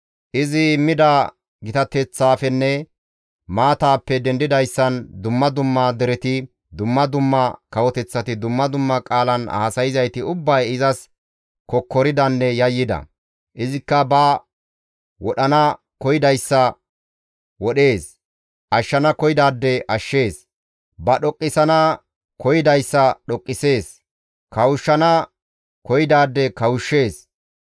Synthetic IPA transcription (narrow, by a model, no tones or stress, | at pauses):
ʔɪzɪmːɪd̪aː | ɡɪt̪ɐt̪ɛt͡sːaːfɛnːɛ | maːt̪aːpːɛd̪ɛnd̪ɪd̪ɐjsːɐnd̪ʊmːɐd̪ʊmːad̪ɛɾɛt̪ɪ | d̪ʊmːɐd̪ʊmːɐkɐwɔt̪ɛt͡sːɐt̪ɪd̪ʊmːɐd̪ʊmːɐkʼaːlɐna̰ːsɐjɪzɐjt̪ɪʊbːɐjɪzɐs | kɔkːɔɾɪd̪ɐnːɛjɐjːɪd̪ɐ̰ | ʔɪzɪkːɐbɐ | wɔɗɐnɐ | kɔjɪd̪ɐjsːɐ | wɔɗe̞ːs | ʔɐʃːɐnɐkɔjɪd̪aːd̪ːɛʔɐʃːe̞ːs | bɐɗɔkʼːɪsɐnɐ | kɔjɪd̪ɐjsːɐɗɔkʼːɪse̞ːs | kɐwʊʃːɐnɐ | kɔjɪd̪aːd̪ːɛkɐwʊʃːe̞ːs